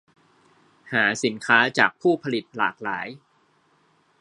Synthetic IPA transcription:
haː˩˦si˩˦nkʰaː˦˥t͡ɕaː˨˩k̚pʰuː˥˩pʰa˧li˨˩t̪̚laː˨˩k̚laː˩˦j

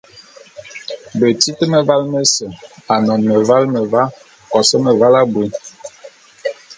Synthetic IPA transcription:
bə˨ti˦tə˦mə˦va˦lmə˦sə˨a˨nɔ˨nmə˨va˦lmə˨va˦ | kɔ˨sə˦mə˨va˦la˦bwi˦n

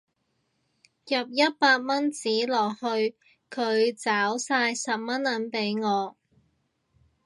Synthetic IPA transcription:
jɐ˨˩p̚jɐ˥t̚paː˧k̚mɐ˥nt͡siː˨˥lɔː˨˩k̚hɵ˧ɥ | kʰɵ˨˧ɥt͡saː˨˥wsaː˧jsɐ˨p̚mɐ˥nːɐ˨˧˥npe˨˥jŋɔː˨˧

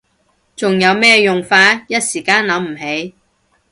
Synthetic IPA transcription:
t͡sʊ˨ŋjɐ˨˧wmɛː˥jʊ˨ŋfaː˧t̚jɐ˥t̚siː˨˩kaː˧˥nlɐ˨˥mm̩˨˩he˨˥j

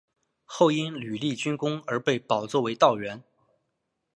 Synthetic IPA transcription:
xo˥˩ʊi˥nly˨˩li˥˩t͡ɕy˥nkʊ˥ŋə˞˧˥pe˥˩ɪpɑ˨˩ʊt͡swɔ˥˩we˧˥ɪt̪ɑ˥˩ʊɥɛ˧˥n

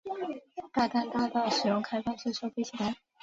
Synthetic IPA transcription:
t̪a˥˧t̪a˥˧nt̪a˥˧t̪ɑ˥˩ʊʂɻ̩˨˩jʊ˥˩ŋkʰa˥ɪfa˥˧nt͡ɕʰi˥˧ʂɤ˥ʊfe˥˧ɪt͡ɕʰi˥˩la˧˥ɪ

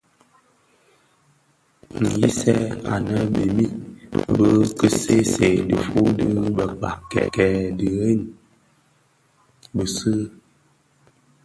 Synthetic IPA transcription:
ŋ̩˨ji˦sɛ˦a̰˨nə˦bi˨mi˦bə˦kə˦se˦se˨də˨fu˦dɨ˦bə˨k͡pa̰˨kɛ̰˨kɛ˨dɨ˨e˦˨n | bə˨sɨ˦

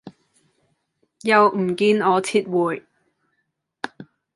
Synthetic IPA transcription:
jɐ˨wm̩˨˩kiː˧nɔː˨˧t͡sʰiː˧˥t̚wuː˨˩j

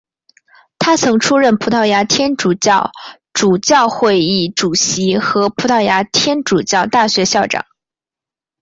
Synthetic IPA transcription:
t̪ʰa˥t͡sʰɤ˧˥ŋʈ͡ʂʰu˥ɻə˥˩npʰu˧˥t̪ʰɑ˥˩ʊja˧˥t̪ʰjɛ˥nʈ͡ʂu˨˩t͡ɕjɑ˥˩ʊ | ʈ͡ʂu˨˩t͡ɕjɑ˥˧ʊxwe˥˧ɪi˥˩ʈ͡ʂu˨˩ɕi˧˥xɤ˧˥pʰu˧˥t̪ʰɑ˥˩ʊja˧˥t̪ʰjɛ˥nʈ͡ʂu˨˩t͡ɕjɑ˥˧ʊt̪a˥˩ɕɥɛ˧˥ɕjɑ˥˩ʊʈ͡ʂɑ̰˨˩˦ŋ

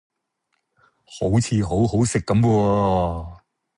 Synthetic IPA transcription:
ho˨˥wt͡sʰiː˨˧ɦo˨˥wɦo˨˥wsɪ˨kːɐ˨˥mkɔː˧

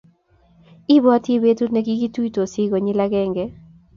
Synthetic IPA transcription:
ɪ˦bɔ˦a˦ti˦be˦tu˦nɛ˦ɡi˦ɡi˦tui˦to˨sɪ˦ɡɔ˨ɲɪ˦laɡɛ˦ŋɡɛ

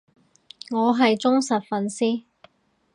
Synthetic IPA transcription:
ŋɔː˨˧ɦɐ˨jt͡sʊ˥ŋsɐ˨t̚fɐ˨nsiː˥

